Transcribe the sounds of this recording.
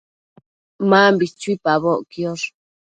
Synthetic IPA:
mãːmbit͡ʃuipaβoʔkioɾ

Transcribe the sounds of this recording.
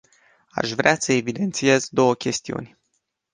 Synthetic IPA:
a̰ʃvɾeasəe̞vid̪e̞nt̪sije̞zd̪o̞wəkʲe̞st̪iṵnʲ

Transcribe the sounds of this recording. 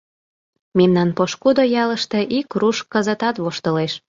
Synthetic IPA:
memnɑnpoʃkud̪ojɑləʃt̪e̽ʔikruʃkəzə̆t̪ɑt̪βoʃt̪ə̆leʃ

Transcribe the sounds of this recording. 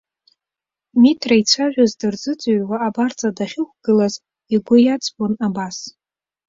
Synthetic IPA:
mitʰrait͡sʷʰaʒᶣazdɨrd͡zɨt͡sʷʼaɥwaːbart͡sʼadaχʲɪkʷɡ̥ɨlaz | iɡʷʊjat͡sʼbʼonabas

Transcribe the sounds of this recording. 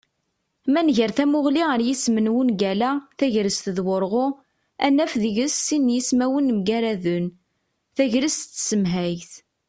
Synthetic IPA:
mænʝəɾθæmʊʁliʁəɾjismənwunɡælæθæʝɾəst̪ðwʊɾʁʊ | ænːæfðəʝəsːinjismæwənmɡæɾæðʊn | θæʝɾəssəmɦæjθ

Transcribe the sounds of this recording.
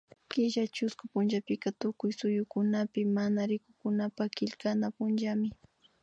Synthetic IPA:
kɪʒat͡ʃʊskʊpʊnʒapɪkat̪ʊkʊjsʊjʊkʊnapɪmanaɾɪkʊkʊnapakɪʎkanapʊnd͡ʒamɪ

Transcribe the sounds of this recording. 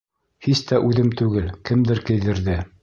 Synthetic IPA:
hist̪æʔʉðɘmt̪ʉɡɘlkɘ̆md̪ɘɾkɘ̆jðɘ̆ɾðɘ

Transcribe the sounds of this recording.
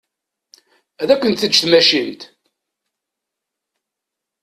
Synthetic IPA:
æðækʷːənt̪θəd͡ʒθmæʃint̪

